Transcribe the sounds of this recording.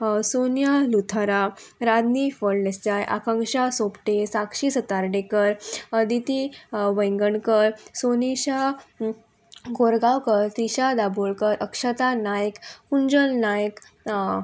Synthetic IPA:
sonjalut̪ʰaɾaɾad̪nifəɭlest͡ɕajʔa̰kaŋkɕasopʈesakɕisət̪aɾɖekəɾd̪it̪iʋəjŋɡəɳkəɾsoniɕa | ɡoɾɡawkəɾt̪iɕad̪aboɭkəɾʔəkʂət̪anajkkuɲd͡ʑəlnajk

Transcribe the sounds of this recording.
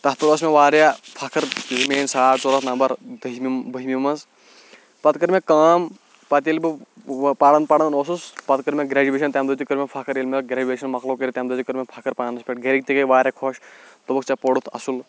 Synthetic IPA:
t̪ɐt̪uɾoːsmeʋaːɾjapʰɐkʰɐɾlmeːnsaːʈt͡soɾɐt̪nɐmbɐɾd̪ɨɦmbɨɦimʲimɐz | pɐt̪kɨɾmʲẽkaːm | pɐt̪ilbɨpaɽɐnd̪̚pɐɽɐnd̪noːsuspɐt̪kɨɾmʲẽɡɾaːd͡ʒuʋeːʃɐnt̪ʲeːmd̪oːd͡ʒ̪ikɨɾmʲepʰɐkʰɐɾilmʲelɡɾʲaːd͡ʒuʋeːʃɐnmɐklokəɾit̪ʲemd̪od͡ʒ̪ikɨɾmʲepʰɐkʰɐɾpaːnɐspʲeːʈɡʱeɾik̚t̪ikɐiʋaːɾʲjakʰoːʃt̪ubɐkʰt͡ʃapoɽut̪ʰɐ̰sul

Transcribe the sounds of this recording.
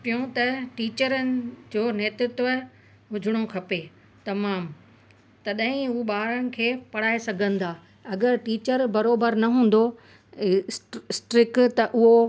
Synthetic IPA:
pijõt̪ɐʈiːt͡ɕəɾənɪ̆d͡ʑoːneːt̪ɾʊt̪ʋə | ɦʊd͡ʑʱɪɽ̃okʰɐpe | t̪ɐmaːm | t̪ɐɗɐ̃ɦɪ̃uɓaːɾəñɪ̆kʰeːpɐɽ̤aːesɐɡʱə̃nɪ̆d̪aː | ɐɡəɾʈiːt͡ɕəɾbɐɾoːbəɾnɐɦũːn̆d̪o | sʈɾɪkt̪ɐʔʊɦo

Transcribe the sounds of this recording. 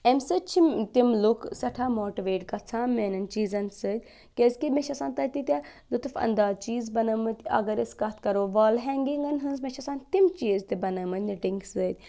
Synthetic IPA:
emsɨt͡ʃʰimt̪imlukʰsɐʈʰaːmoːʈiʋeːʈkɐt͡sʰaːmenɐnt͡ʃiːzɐnsɨd̪ʲ | kezʲkimeʃɐsãːnt̪ɐt̪it̪ʲalut̪ufɐ̰nd̪aːt͡ʃiːzbɐnɐmɨt̪ʲɐ̰ɡɐɾiskɐt̪ʰkɐɾoːʋaːlɦɛːŋɡiŋɡɐnɦɨnzmeʃɐsaːnt̪imt͡ʃiːzt̪ibɐnɐmɨnʲɖiŋɡsɨd̪̚ʲ

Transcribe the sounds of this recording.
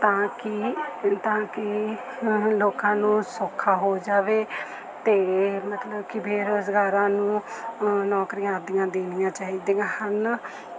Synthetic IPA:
t̪ãːkɪt̪ãːkɪ | loːkãːnũːsoːkʰːaːɦoːd͡ʒaːʋeː | t̪eːmət̪ləbkɪpʰeɾsɡaːɾãːnũː | nɔːkɾijãːd̪ijãːd̪eːnɪjãːt͡ʃaːiːd̪iãːhən

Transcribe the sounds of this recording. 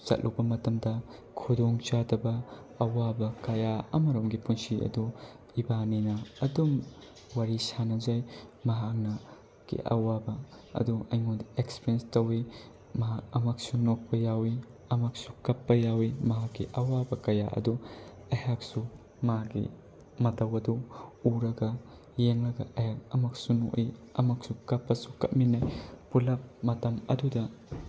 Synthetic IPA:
sɐ̰t̚lʔubɐmɐtɐmdɐ | kʰudoŋt͡ʃadɐbɐ | ɐwabɐkɐjaɐ̰mɐɾomɡipunsiɐ̰du | ibaninɐɐdum | waɾisanɐzajmɐɦak̚nɐ | kːḭʔɐ̰wabɐ | ɐ̰duɐjŋondɐekspiɾjenstɐwi | mɐɦakɐmak̚sunok̚pɐjawiɐmak̚sukɐpːɐjawimɐɦakːiʔɐwabɐkɐja̰ʔɐ̰du | ɐjhak̚su | mɐɦaɡḭ | mɐtɐwɐduuɾɐɡɐ | jeŋlɐɡɐ̰ʔɐjhak̚ɐmak̚suno̰ʔiɐmak̚sukɐpːɐsu̥kɐt̚minajpulɐp̚mɐtɐmɐ̰dudɐ

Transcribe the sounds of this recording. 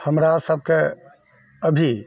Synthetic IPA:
həmɾasəb̚ʱke | əbʱi

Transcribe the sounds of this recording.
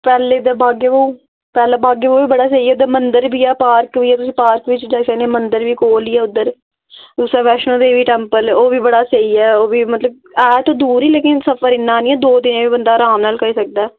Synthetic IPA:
pɛːleːd̪aːbaːɡeːoː | pɛːlaːbaːɡeːoːʋiːbəɽaːseiːɛːʊd̪əɾmənd̪əɾbiːɛːpaːɾkʋiːɛːt̪ʊsĩːpaːɾkʋɪt͡ʃd͡ʒaːsənẽːmənd̪əɾʋiːkoːliːɛːʊd̪ːəɾ | d̪uːsaːʋɛːʃnõːd̪eːʋiːʈɛːmpəloːʋiːbəɽaːseiːɛːoːʋiːmət̪ləb̚ | ɛːt̪õːd̪uːɾiːleːkɪnsəpʰəɾɪnːaːnĩːɛːd̪oːd̪ɪnẽːʋiːbənd̪aːɾaːmnaːlkəiːsək̚d̪aːɛː

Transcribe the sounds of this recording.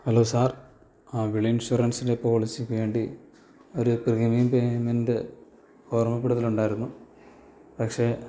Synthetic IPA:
hɐloːsaːr | aʋiɭɐinʂurɐnsindepo̞ːɭisiʋe̞ːɳɖi | o̞ɾupriɣimijumpemendɨ | ɡo̞ːrmɐpːiɽɐðiluɳɖaːjiɾunːu | pɐkʂeː

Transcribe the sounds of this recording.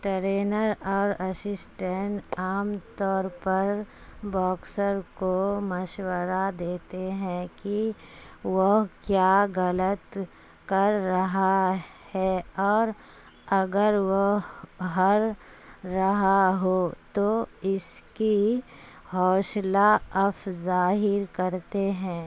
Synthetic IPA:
ʈəɾeːnəɾɔːɾɐsɪsʈẽɳʈaːmt̪ɔːɾpəɾ | bɔːksəɾkoməʃwəɾad̪eːt̪eɦɛ̃ki | ʋoɦkjaːɣələt̪ | kɐɾːɐɦahɛɔːɾ | ɐɡəɾʋoɦɦɐɾː | ɐɦaɦot̪oɪski | hɔːʃlaɐfzaːɦɪɾkɐɾt̪eɦɛ̃ː

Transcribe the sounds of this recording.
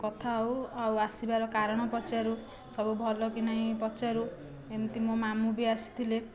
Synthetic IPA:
kɔt̪ʰawawasibaɾɔkaɾɔɽ̃ɔpɔt͡ʃaɾu | sɔbubʱɔlɔkinaĩpɔt͡ʃaɾu | emt̪imomamubiasi̥t̪ʰile

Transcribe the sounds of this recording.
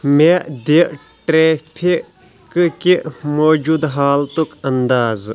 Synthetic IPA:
med̪iʈɾeːpʰi | kkimoːd͡ʒud̪ɦaːlt̪ukɐnd̪aːz

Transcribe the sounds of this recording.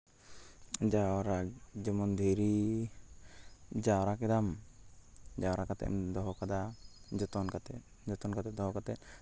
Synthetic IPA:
d͡ʒaɾad͡ʒɔmɔnd̪ʱiɾi | d͡ʒaɔɾakɛd̪am | d͡ʒaɔɾakat̪ɛ̰ʔd̪ɔɦɔkad̪ad͡ʒɔt̪ɔnkat̪ɛ | d͡ʒɔt̪ɔnkat̪ɛd̪ɔɦɔkat̪ɛt̪̚

